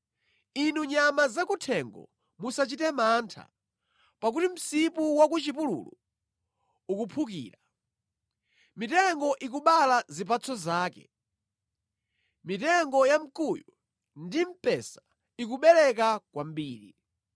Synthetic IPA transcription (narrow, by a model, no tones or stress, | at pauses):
inuɲamazakutʰɛŋɡɔ̰ | musat͡ʃitɛmantʰa̰ | pak̬utim̩sipuwak̬ut͡ʃip̬ulṵlṵ | ukupʰukḭːɾa | mitɛŋɡɔʔik̬uɓalazip̬at͡sʰɔzaːkɛ̰ | mitɛŋɡɔjam̩kujɔ | ndim̩pɛsḁ | ikuɓɛlɛk̬akwambiːɾḭ